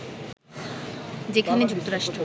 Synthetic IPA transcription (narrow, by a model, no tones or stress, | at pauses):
d͡ʑekʰaned͡ʑuk̚t̪oɾaʃʈɾo